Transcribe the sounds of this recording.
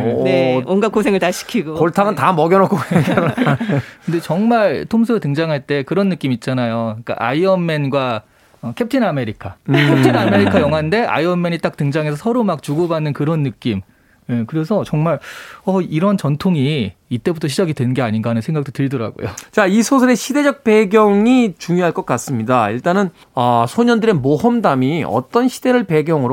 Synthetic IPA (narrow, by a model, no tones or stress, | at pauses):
neonɡak͈ʰosʰeŋɯɭtaɕʰi̥kʰiɡokoɭtʰaɡɯntamʌɡjʌnʌk͈ʰoe | kkɯnde̞t͡ɕʌŋmaɭtʰoms̬ʰoɯtɯŋd͡ʑaŋɦaɭt͈e̞kɯɾʌnːɯk͈imit̚t͡ɕ͈anajoik͈a̰ʔa̰iʌmːe̞nɡwa | ʌkʰe̞p̚tʰiname̞ɾikʰakptʰiname̞ɾikʰajʌŋɦande̞ʔa̰iʌmːe̞ɲit͈ak̚tɯŋd͡ʑaŋɦesʰʌsʰʌɾomak̚t͡ɕuɡobanːɯnkɯɾʌnːɯk͈im | ekɯɾe̞sʰʌt͡ɕʌŋmaɭʌiɾʌnt͡ɕʌntʰoŋiit͈e̞butʰʌɕʰid͡ʑaɡidwenɯnɡe̞aɲinɡaanɯnsʰe̞ŋɡak̚t͈otɯɭdʌɾa̰ɡo̰jo̰t͡ɕaisʰosʰʌɾe̞ɕʰide̞d͡ʑʌk̚p͈e̞ɡjʌŋit͡ɕuŋjoɦaɭk͈ʌk͈as͈ɯmɲidaiɭt͈anɯn | ʌsʰoɲʌndɯɾe̞mohʌmdamiʌ̰t͈ʌnɕʰide̞ɾɯɭpe̞ɡjʌŋɯɾo